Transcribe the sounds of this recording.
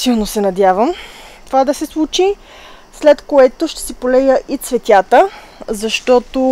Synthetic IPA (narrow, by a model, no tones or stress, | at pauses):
silˠnosɛnɐd̪ʲjavəm | t̪ovad̪ɐsɛslˠut͡ʃi | slɛt̪koɛt̪oʃt̪ɛ̥sɛpolɛjəʔit̪svɛt̪ʲat̪ə | zɐʃt̪ɔt̪o